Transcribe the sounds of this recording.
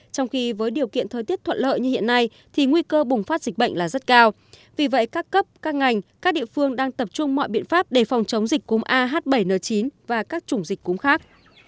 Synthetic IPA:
t͡ɕɔ˧wŋ͡mxi˧vəː˨˦jɗi˨˩əwkḭ˧˨ənt̪ʰəː˨˩jt̪i˦˥ət̪ʰə̰˧˨nlə̰ː˧˨jɲɨ˧hḭ˧˨ənːa˧j | t̪ʰi˨˩ŋwi˧kəː˧ɓʊ˨˩ŋ͡mfaː˦˥t̚z̥i˨˩k̟̚ɓə̰˧˨ŋ̟laː˨˩zə˦˥t̚kaː˧w | vi˨˩və̰˧˨jkaː˦˥kːə˦˥p̚kaː˦˥k̚ŋa˨˩jŋ̟kaː˦˥k̚ɗḭ˧˨əfɨ˧əŋɗaː˧ŋt̪ə˨˩p̚t͡ɕʊ˧ŋ͡mmɔ̰˧˨jɓḭ˧˨ənfaː˦˥p̚ɗe˧˩fɔ˨˩wŋ͡mt͡ɕə˨˦wŋ͡mzi˨˩k̟̚ʲkʊ˨˦mʔaː˧ɦaː˦˥t̚ɓə˧˩jnəː˨˩t͡ɕi˨˦nvaː˨˩kaː˦˥k̚t͡ɕʊ˨˧˩ŋ͡mzi˨˩k̟̚kʊ˨˦ŋ͡mxaː˦˥k̚

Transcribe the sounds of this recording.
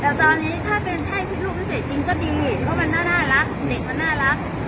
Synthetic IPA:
lɛː˦˥wt̪ɔː˧nːiː˦˥t̪ʰaː˥˩pe˧nt̪ʰa˥˩jt̪ʰiː˥˩luː˥˩wiː˦˥se˨˩t̪̚t͡ɕi˧ŋkɔː˥˩diː˧pʰɔ˦˥ma˧nːaː˥˩naː˥˩ɾa˦˥k̚de˨˩k̚ma˧nːaː˥˩ɾa˦˥k̚

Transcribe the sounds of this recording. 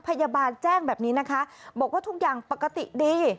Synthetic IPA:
pʰa˧jaː˧baː˧nt͡ɕɛː˥˩ŋbɛː˨˩p̚niː˦˥na˦˥kʰa˦˥ʔbɔː˨˩k̚waː˥˩u˦˥k̚jaː˨˩ŋpa˨˩ka˧t̪ḭ˨˩ʔdiː˧

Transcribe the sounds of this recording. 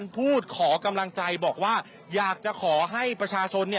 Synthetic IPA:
npʰuː˥˩t̪̚kʰɔː˩˦ka˧mla˧ŋt͡ɕa˧jbɔː˨˩k̚waː˥˩ | jaː˨˩k̚t͡ɕa˨˩kʰɔː˩˦ɦa˥˩jpɾa˧t͡ɕʰaː˧t͡ɕʰo˧nːi˥˩

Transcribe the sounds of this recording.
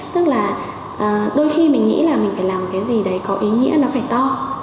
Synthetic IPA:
t̪ɨ˦˥k̚laː˨˩ | ʔəː˨˩ɗo˧jxi˧mï˨˩ŋ̟ŋḭ˧˥laː˨˩mï˨˩ŋ̟faː˧˩jlaː˨˩m˨˩kaː˨˦jzi˨˩ɗə˨˦jkɔ˨˦ʔi˨˦ŋḭ˧˥ənɔ˨˦faː˧˩jt̪ɔ˧

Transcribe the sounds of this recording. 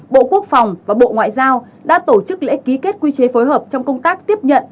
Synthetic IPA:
ɓo̰˧˨ku˦˥ək̚fa˨˩wŋ͡mvaː˨˩ɓo̰˧˨ŋwa̰ː˧˨jzaː˧w | ɗa̰ː˧˥t̪o˧˩t͡ɕɨ˦˥k̚lḛ˧˥ki˨˦ke˦˥t̚kwi˧t͡ɕe˨˦fo˨˦jɦəː˨˩p̚t͡ɕɔ˧wŋ͡mkə˧wŋ͡mt̪aː˦˥k̚t̪i˦˥əp̚ɲə̰˧˨n

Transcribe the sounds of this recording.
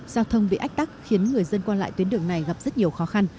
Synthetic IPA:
zaː˧wt̪ʰə˧ŋ͡mɓḭ˧˨ʔa˦˥k̟̚t̪a˦˥k̚xi˨˦ənŋɨ˨˩əjzə˧nkwaː˧la̰ː˧˨jt̪wi˨˦nɗɨ˨˧˩əŋna˨˩jɣa˨˩p̚zə˦˥t̚ɲi˨˩əwxɔ˨˦xa˧n

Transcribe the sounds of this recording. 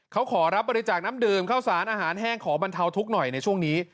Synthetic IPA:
kʰa˦˥wkʰɔː˩˦ɾa˦˥p̚bɔː˧ɾi˧˥t͡ɕaː˨˩k̚naː˦˥mdɯː˨˩mkʰaː˥˩wsaː˩˦nʔaː˧ɦaː˩˦nɦɛː˥˩ŋkʰɔː˩˦ba˧nt̪ʰa˧wt̪ʰu˦˥k̚nɔ˨˩jna˧jt͡ɕʰu˥˩əŋniː˦˥

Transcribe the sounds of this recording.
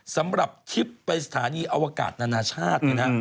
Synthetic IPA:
sa˩˦mɾa˨˩p̚t̪ʰi˦˥pːa˧jsḁ˧t̪ʰaː˩˦niː˧ʔa˧waː˧ka̰ː˨˩t̪̚naː˧naː˧t͡ɕʰaː˥˩t̪̚ni˦˧˩na˦

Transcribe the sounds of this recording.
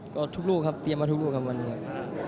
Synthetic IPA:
kɔː˥˩t̪ʰu˥k̚luː˥˩kʰa˦˥p̚t̪i˧əmaː˧t̪ʰu˦˥kloː˥˩kʰa˥p̚wa˧nːi˧˩ɐ˩

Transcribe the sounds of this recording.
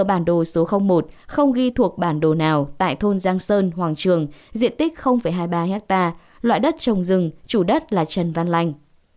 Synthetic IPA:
ɓaː˧˩nɗo˨˩so˨˦xə˧wŋ͡mmo˨˩t̚xə˧wŋ͡mɣi˧t̪ʰu˨˩ək̚ɓaː˧˩nɗo˨˩naː˨˩wt̪a̰ː˧˨jt̪ʰo˧nzaː˧ŋsəː˧nhwaː˨˩ŋt͡ɕɨ˨˩əŋzḭ˧˨ənt̪ï˦˥k̟̚xə˧wŋ͡mfə˧˩jɦaː˧jɓaː˧hɛ˦˥k̚t̪aː˧ | lwa̰ː˧˨jɗə˦˥t̚t͡ɕə˨˩wŋ͡mzɨ˨˩ŋt͡ɕu˧˩ɗə˦˥t̚laː˨˩t͡ɕə˨˩nva˧nla˧jŋ̟

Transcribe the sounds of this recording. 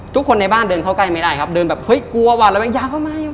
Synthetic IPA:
t̪ʰu˦˥kʰːo˧nːa˧jbaː˥˩ndɤː˧nkʰa˥˩wka˧˥˩jma˥˩jda˥˩jkʰa˦˥p̚dɤː˧nbɛː˨˩p̚hɤ˦˥jku˧ɐ˧waː˧˩la˧˩bɛː˧˩jaː˧˩kʰa˥˩maː˧ja˧˩

